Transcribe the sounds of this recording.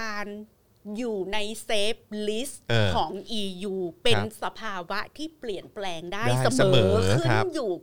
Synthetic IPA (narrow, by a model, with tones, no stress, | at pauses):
aː˧n | juː˨˩na˧jseː˦˥p̚li˦˥st̪̚ʔːkʰɔː˩˦ŋʔiː˧juː˧pe˧nsa˧pʰaː˧wa˦˥t̪ʰiː˥˩pli˨˩ənplɛː˧ŋdaː˥jsa˧sːmɤː˨˩˦kʰɯ˥˩˦njuː˨˩